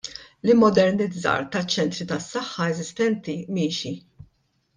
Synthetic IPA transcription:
lɪmːɔd̪ɛɾnɪdd͡zɐ̰ːɾt̪ɐt͡ʃːɛnt̪ɾit̪ɐsːɐħːɐɛzɪst̪ɛnt̪imiːʃi

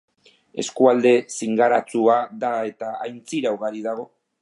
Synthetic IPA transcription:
e̞̰skuald̪e̞siŋɡaɾat͡suaðae̞t̪aajnt͡siɾawɣaɾið̞aɣ̞o̞

